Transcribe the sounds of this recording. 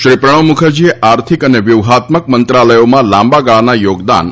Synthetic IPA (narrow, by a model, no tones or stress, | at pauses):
ʃɾipɾəɽ̃əʋmukʰəɾd͡ʒieʔaɾt̪ʰikəneʋjuʋɦat̪mək̚mənt̪ɾaləjomãlãmbaɡaɭanajoɡd̪a̰n